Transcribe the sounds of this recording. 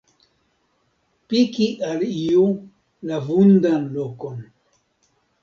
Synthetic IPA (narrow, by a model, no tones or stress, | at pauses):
pikiʔaliu | lavundanlokon